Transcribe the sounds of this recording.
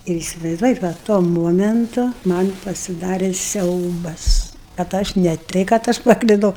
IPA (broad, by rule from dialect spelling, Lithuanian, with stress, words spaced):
ɪr ɪsʲɪʋɐɪzˈduɔjɛt ˈʋɐ tuɔ ˈmoːmʲɛntʊ ˈmɐn pɐsʲɪˈdɑːrʲeː ˈsʲɛʊbɐs kɐt ˈɐʃ nʲɛ ˈtʲɛɪ kɐt ˈɐʃ pɐklʲɪˈdɐʊ